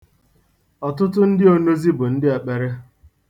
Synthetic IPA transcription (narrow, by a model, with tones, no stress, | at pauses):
ɔ˨tʊ˦tʊ˦n̩˦dɪ˦o˨no˦zi˦bʊ˨n̩˦dɪ˦e˨k͡pe˨ɾɪ˦